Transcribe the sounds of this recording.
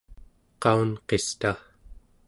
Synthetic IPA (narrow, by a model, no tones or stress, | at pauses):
qɑunqe̞st̪a